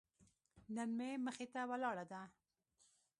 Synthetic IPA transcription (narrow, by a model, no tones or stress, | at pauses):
nənmeməxet̪awalɑɽad̪a